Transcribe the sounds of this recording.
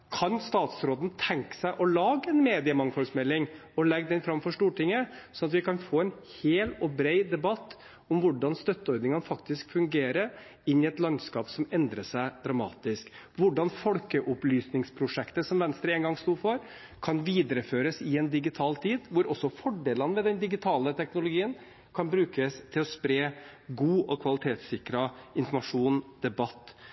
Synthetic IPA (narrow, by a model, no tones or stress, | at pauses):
kʰɑnst̪ɑːt̪sɾoːd̪n̩t̪ʰɛŋkə̥sæɪʔɔlɑːɡəɛnmeːd̪ɪəmɑŋfɔlsmɛlːɪŋɔlɛɡːd̪ɛnfɾɑmfɔʂt̪uːʈɪŋːəsɔnɑt̪ʋɪkɑnfoːɛɪn | heːlɔbɾeɪd̪ɛbɑt̪ː | ɔmʋʊɖɑnst̪œt̪ːəɔɾd̪nɪŋənfɑkt̪ɪskfʉŋɡeːɾə | ɪnːɪɛt̪lɑnskɑːpsɔmɛnd̪ɾəsæɪd̪̥ɾɑmɑ̰ːt̪ɪsk | ʋʊɖɑnfɔlkəʔʊplyːsnɪŋspʰɾʊʂɛkt̪əsɔmʋɛnst̪ɾəɛŋɡɑŋst̪uːfɔɾ | kʰɑnʋiːd̪əɾəføːɾəsɪɛnd̪ɪɡɪt̪ʰɑːlt̪ʰiːd̪ʋʊɾʔɔsːɔfɔɖeːlənʋɛd̪ɛnd̪ɪɡɪt̪ʰɑːlət̪ʰɛknʊlʊɡiːən | kʰɑnbɾʉːkəst̪ʰɪlɔspɾeːɡuːɔkʰʋɑlɪt̪ʰeːt̪sɪkɾɑɪnfɔɾmɑʂuːnd̪̥ɛbɑt̪ː